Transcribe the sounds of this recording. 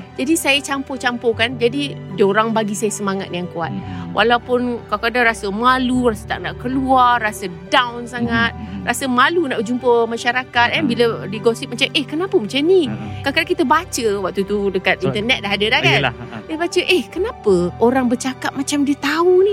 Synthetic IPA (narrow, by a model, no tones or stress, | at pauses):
d͡ʒadisajat͡ʃampot͡ʃampokand͡ʒadidəoɾaŋbaɡisajasəmaŋa̰t̪̚jaŋkua̰t̪̚wʔa̰lawpʊnkakadaŋɾasəmalurasə̥t̪aʔ̚naʔkəluarːasədawnsaŋat̪̚rasəmalunaʔbəd͡ʒumpəmaʃaɾakat̪̚anbilədiɡɔsit̚mat͡ʃamʔehkənapəmat͡ʃanikakadakit̪əbat͡ʃəwaʔ̚t̪ut̪udəkat̪̚int̪ərnɛt̪̚daɦadədahanldiəbat͡ʃəʔɛhkənapəoɾaŋbərt͡ʃakat̚mat͡ʃamdiət̪auni